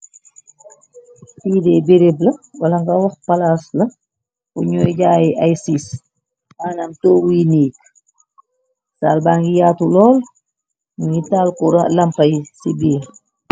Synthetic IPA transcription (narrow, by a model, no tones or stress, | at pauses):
fiːdɛbeɾeblɐwɐlɐŋɡɐwɔxpɐlaslɐ | uɲɔjɟaːjiʔajsis | ʔaːnɐmtoːwujiniːk̚ | saːlbaːŋɡijaːtulɔːl | mujitaːlkuɾɐlɐmpɐjsibiːɾ